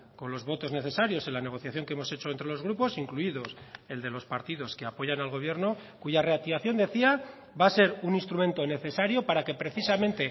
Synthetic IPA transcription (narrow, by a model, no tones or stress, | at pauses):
ko̞nlo̞zβo̞t̪o̞zne̞θe̞saɾjo̞se̞nlane̞ɣ̞o̞θjaθjo̞ŋkeemo̞set͡ʃoent̪ɾe̞lo̞zɣ̞ɾupo̞siŋkluiðo̞se̞ld̪e̞lo̞spaɾt̪iðo̞skeapo̞ʝanalɣ̞o̞β̞je̞ɾno̞kuʝare̞ak̚t̪iβaθjo̞nd̪e̞θia | base̞ɾuninst̪ɾument̪o̞ne̞θe̞saɾjo̞paɾake̞pɾe̞θisamẽ̞nt̪e̞